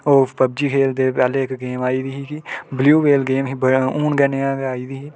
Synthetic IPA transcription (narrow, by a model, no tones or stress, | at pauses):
oːpɐb̚d͡ʒikʰeːld̪epɛːlekɡeːmaːid̪iɦikibljuːbeːlɡeːmɦibuːnɡɛneaːɡaːid̪iɦi